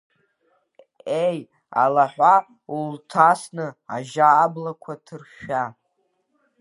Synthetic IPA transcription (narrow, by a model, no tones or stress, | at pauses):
ej | a̰laħʷa | ultʰasnɨa̰ʒaːblakʷʰatʰɨrʃᶣa